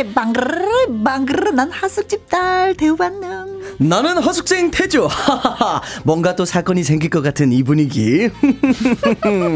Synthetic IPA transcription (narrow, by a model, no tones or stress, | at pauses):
baŋɡɯɾɯbaŋɡɯɾɯnanhasʰuk̚t͡ɕ͈ip̚t͈aɭteubanːaŋnanɯnɦʌsʰuk̚s͈ʰeŋtʰed͡ʑo | mwʌŋɡat͈osʰak͈ʌɲisʰe̞ŋɡiɭk͈ʌk͈atʰɯnibuɲiɡḭ